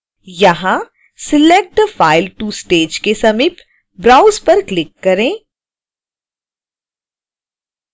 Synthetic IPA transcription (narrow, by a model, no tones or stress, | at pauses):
jɐɦã | sɪleːk̚ʈfaːɪlʈuːsʈeːd͡ʒkesɐmiːp | bɾaːʊzpɐɾklɪkːɐɾẽː